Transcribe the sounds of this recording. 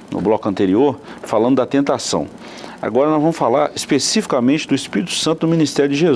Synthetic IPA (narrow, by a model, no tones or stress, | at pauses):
nʊ̰blɔkʊɐ̃nt̪eɾioɾfalɐ̃nd̪ʊd̪ɐt̪ẽnt̪asɐ̰̃w̃ | a̰ɡɔɾɐnɔzvɐ̃mʊsfalaɾespesifi̥kɐmẽt͡ʃɪd̪ʊispiɾit̪ʊ̥sɐ̃t̪ʊnʊminist̪ɛɾjʊd͡ʒɪʒez